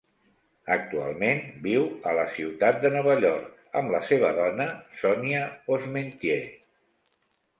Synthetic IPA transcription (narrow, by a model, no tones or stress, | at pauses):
ək̚t̪ua̰lˠmenbiwələsiwt̪at̪̚d̪ənɔβ̞əʎɔɾk | ə̰mləseβ̞əðɔnəsɔniəozment̪je